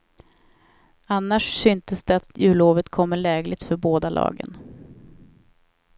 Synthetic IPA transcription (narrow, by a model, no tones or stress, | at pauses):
anːaʂsʏnt̪əsd̪ɛat̪jʉ̟ːloːvət̪kʰɔmːəɭɛːɡlɪɡ̚t̪fœɾboːd̪alʔɑ̰ːɡə̰n